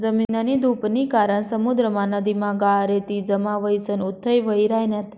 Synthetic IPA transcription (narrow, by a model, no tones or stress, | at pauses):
d͡zəminənid̪ʱupnikaɾəɳsəmud̪ɾəmãnəd̪imãɡaɾet̪id͡ʒəmaʋəjsənut̪ʰːəjʋəjɾajnat̪ʰ